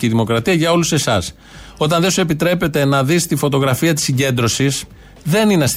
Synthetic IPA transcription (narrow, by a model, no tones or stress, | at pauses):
iðimo̞kɾɐt̪iɐʝɐo̞luse̞sɐs | o̞t̪ɐnðe̞sue̞pit̪ɾe̞pe̞t̪e̞nɐðist̪ifo̞t̪o̞ɣɾɐfiɐt̪i̥sːiɲɟe̞nd̪ɾo̞sis | ðe̞nineɐs